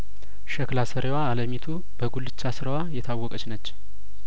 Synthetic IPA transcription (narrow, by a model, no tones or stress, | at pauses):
ʃəklasəɾewaːləmit̪ʰu | bəɡulɨt͡ʃːasɨɾəwajɛt̪ʰawːɔkʼət͡ʃnət͡ʃː